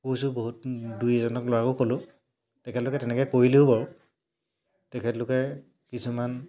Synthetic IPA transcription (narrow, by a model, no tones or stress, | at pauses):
kojsʊboɦutdujzɔnɔklɔwakokolʊ̃ | tɛkʰɛtlʊkɛtɛnɛkɛkoɹiliʊbaɹʊ | tɛkʰɛtlʊkɛ | kisuman